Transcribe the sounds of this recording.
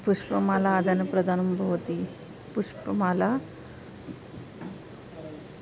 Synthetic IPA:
puʂpəmalaːd̪ʱanəpɾəd̪ʱanubʱəʋt̪i | puʂpəmala

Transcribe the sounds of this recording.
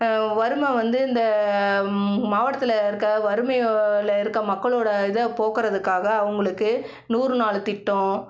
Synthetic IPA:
ʋɐɾɯmɛ̃ʋɐnd̪ɯɪnd̪ɐ | maːʋɐʈɐt̪ːɪlɐɪɾɯkːɐʋɐɾɯmɐjlɐɪɾɯkːɐmɐkːɐɭoːɽɐɪðɐpoːɣɪɾɐðɯkːaːɣɐːʋɐŋɡɐɭɯkːɯ | nuːrɯnaːɭt̪ɪʈːõ

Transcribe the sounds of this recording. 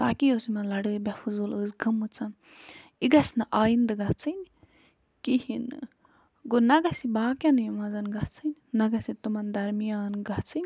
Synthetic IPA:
t̪aːkijosimɐnlɐɽɨbɐfuzuːləːzɡɐmut͡sɐn | iɡɐsnɐʔaːjind̪ɨɡɐt͡sʰɨn | kihin | ɡonɐɡɐsibaːkjɐnɨjumɐzɐnɡɐt͡sʰɨnːɐɡɐsit̪umɐnd̪ɐɾmijaːnɡɐt͡sʰɨnʲ

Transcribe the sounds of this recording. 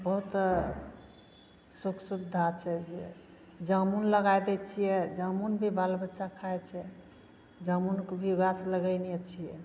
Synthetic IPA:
bəɦut̪ | suksubd̪ʱat͡ʃʰɛd͡ʒe | d͡ʒəmunləɡajd̪ɛt͡ʃʰijɛd͡ʒəmunbʱibalbətːʃakʰaɛt͡ʃʰɛ | d͡ʒəmunkbʱiɡasləɡəjnijɛt͡ʃʰijɛ

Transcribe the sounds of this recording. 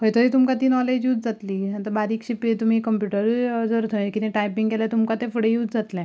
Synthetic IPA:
ɦəjt̪əɾiːt̪umkat̪iːnɔled͡ʑjuːd͡zd͡zat̪liːat̪əbaɾiːkɕipit̪um̤ikəmpjuʈəɾd͡zəɾt̪ʰokit̪ẽʈajpiŋɡɛlat̪umkat̪ẽfəɽejuːd͡zd͡zat̪lɛ̃

